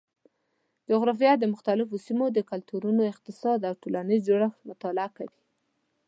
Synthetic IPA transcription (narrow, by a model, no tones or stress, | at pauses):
d͡ʒʊɣɾɑf̬ijad̪əmʊxt̪alɪfosimod̪əkalt̪uɾunoɪq̚t̪ɪsɑd̪awʈolanizd͡ʒoɽaxmʊt̪ɑlɪakawi